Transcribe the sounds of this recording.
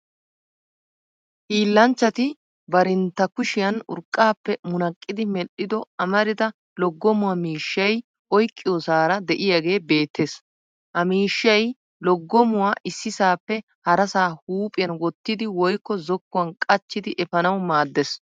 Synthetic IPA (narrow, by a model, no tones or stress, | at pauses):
hiːlːɐnt͡ʃːɐt̪ɪ | bɐɾɪnt̪ːɐkʊʃɪjɐnʊ̰ɾkʼːaːpːɛmʊnɐkʼːɪd̪ɪmɛɗɪd̪ɔɐmɐɾɪd̪ɐ | lɔɡːɔmʊwɐmiːʃːɐj | ʔɔjkʼːɪjɔsaːɾɐd̪ɛʔɪjɐɡe̞ːbe̞ːt̪ːes | hɐmiːʃːɐj | lɔɡːɔmʊwaːʔɪsːɪsaːpːɛ | hɐɾɐsaːhuːpʼɪjɐnwɔt̪ːɪd̪ɪwɔjkːɔzɔkːʊwɐnkʼɐt͡ʃːɪd̪ɪʔɛfɐnɐwmaːd̪ːɛs